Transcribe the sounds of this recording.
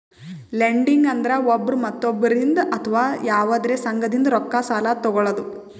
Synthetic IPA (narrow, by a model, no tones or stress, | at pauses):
leɳɖiŋɡɐnd̪ɐɾɐobːɐɾumɐt̪ːobːɐɾind̪ɐʔɐt̪ʰɐʋaːjaːʋɐd̪ɾeːsɐŋɡɐd̪ind̪ɐɾɔkːasaːlat̪ɔɡɔɭɐd̪u